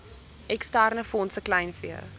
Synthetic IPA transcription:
ɛkstærnəfɔnsəklɐjnfiə̰

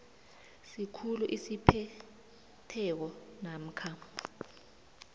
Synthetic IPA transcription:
sikʰuluʔisipʰɛ | tʰɛk̬ɔnam̩kʰa

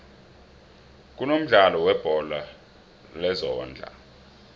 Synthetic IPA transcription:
k̬ʼunom̩ɮalɔwɛb̥ʱɔla | lɛzɔːnd͡ɮʱa̰

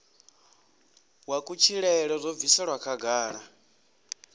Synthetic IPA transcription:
wakʼut͡ʃʰiɺɛɛɺɔzʷɔvisaɺwakʰaɡaːɺa

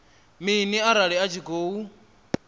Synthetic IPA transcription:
miniaɾaɺiat͡ʃʰiɡoːu

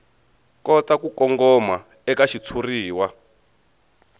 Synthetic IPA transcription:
kɔtakukɔŋɡɔma | ɛkaʃit͡sʰuriːwa

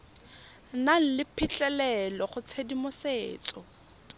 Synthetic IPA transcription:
nal̩lɪpʰɪt͡ɬʼɛlɛlɔχʊt͡sʰedimʊseːt͡sʼɔ

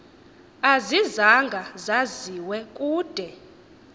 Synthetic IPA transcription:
azizaŋɡʱazaziwɛkʼuːd̥ʱɛ

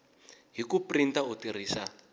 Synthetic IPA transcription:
ɦikuprintautir̤iːsa

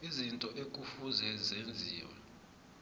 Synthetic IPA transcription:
izintʼɔʔekʼufuzɛzend͡zʱiːwɔ̰

